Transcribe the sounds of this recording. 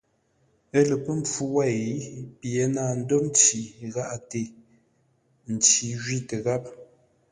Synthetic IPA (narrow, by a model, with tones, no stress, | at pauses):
ə˦lə˨pə˦m˨p͡fu˦wa˦˨i˦pje˨˦naː˨n̩˦do˦n˦t͡ʃi˨ɣa˦ʔa˨te˨ | n̩˨t͡ʃi˨ʒɥi˦tə˨ɣa˦p̚